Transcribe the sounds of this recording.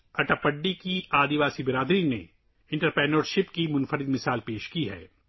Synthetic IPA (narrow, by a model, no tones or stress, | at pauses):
ɐʈapəɖːikiaːd̪iʋaːsibɪɾaːd̪ɾinḛ | ɪ̃ɳʈəɾpɛːnəːɾʃɪpkimʊ̃nfəɾɪd̪mɪsaːlpeːʃkiɦɛ̰ː